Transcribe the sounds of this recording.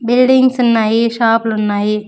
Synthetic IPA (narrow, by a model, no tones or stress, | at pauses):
bilɖiŋɡsunːaːjiʃaːplunːaːji